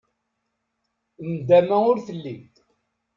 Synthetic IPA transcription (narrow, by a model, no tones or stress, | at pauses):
nd̪æmæʊɾθəlːid̪